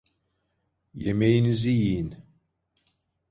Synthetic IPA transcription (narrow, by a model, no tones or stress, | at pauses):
jemejinizijijin